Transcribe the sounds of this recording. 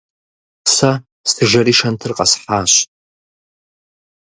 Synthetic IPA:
sɐ | stʰɨʒʷɐɾiːʃɐntʰɨrqʼɐsħaːɕ

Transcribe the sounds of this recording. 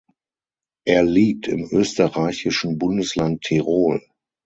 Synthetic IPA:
ʔeːɐliːk̚tʰɪmʔøːstəʁaɪçɪʃn̩bʊndəslantʰːiʁoːl

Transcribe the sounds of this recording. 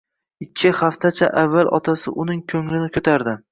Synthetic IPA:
ɪkʲʰːɪhaft̪ʰat͡ʃʰa̰ʔavːalʔɒ̰t̪ʰasɪ̰ʔʊnɪŋkʲʰɵŋlɪnɪkʲʰɵt̪ʰaɾd̪ɪ

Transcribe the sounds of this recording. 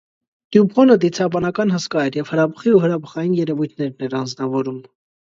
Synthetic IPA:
d̪̥jupʰɔnəd̪it͡sʰɑbɑnɑkɑnɦəskɑɛɾjɛv̥həɾɑpʰə̥χiuɦəɾɑpʰə̥χɑjinjɛɾɛvujt̪ʰnɛɾnɛɾɑnd͡znɑvɔɾum

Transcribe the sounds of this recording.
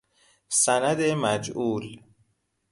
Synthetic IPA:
sænæd̪emæd͡ʒuːl

